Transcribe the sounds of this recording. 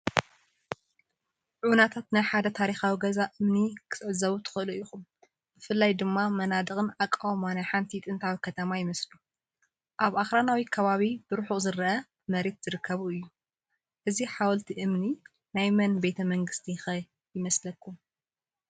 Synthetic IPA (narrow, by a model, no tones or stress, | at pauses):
ʕunat̪ʰat̪najħad̪ɐt̪ʰaɾixawiɡɐzaʔɨmnikʰɨ̥sʼʕzɐβut̪ʰɨ̥xɨɨluixum | b̥ɨfɨlːajd̪ɨmːamɐnad̪ɨɣʼɨnakʼːawmanajħant̪ʰit̪ʼɨnt̪ʰawikʰɐt̪ʰɐmajɪmɐslu | ʔaβʔaxɾanawikʰɐβaβib̥ɨɾħuzɨɾɐʔɐ | mɐɾe̞t̪z̥ɨɾɨkʰːɐβuɨjːu | ʔɨziħawɐlt̪ʰiʔɨmni | najmɐnbe̞t̪ʰɐmɐŋɡɨst̪ʰixɐ | jɪmɐslɐkʰːum